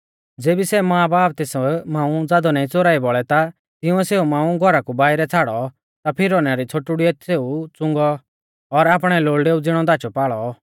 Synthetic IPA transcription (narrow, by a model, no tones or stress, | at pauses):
d͡zeːbisɛmaːbaːp̚t̪ɛsmãːũd͡zaːd̪ɔnaːĩt͡soɾaːibɔɭɛt̪a | t̪ɪʊ̃ɛseːumãːũɡʱɔɾakubaːɪɾɛt͡sʰaːɽɔ | t̪apʰɪɾɔnaɾit͡sʰoʈʊɽiɛt̪seːut͡sʊ̃ŋɡɔ | ɔɾaːpɽ̃ɛloːɭɖeːud͡zɪɽ̃ɔd̪aːt͡ʃɔpaːɭɔ